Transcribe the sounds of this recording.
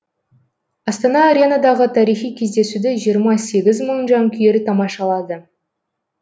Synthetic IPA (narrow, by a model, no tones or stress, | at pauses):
ɑst̪ɑnɑːɾʲenɑd̪ɑʁət̪ʰɑɾijχijkʲʰe̞zd̪e̞sud̪ɪʒijəɾmɑse̞ɡʲɪzməɴʒɑŋkʲʰʏjeɾɪt̪ʰɑmɑʃɑlˠɑd̪ə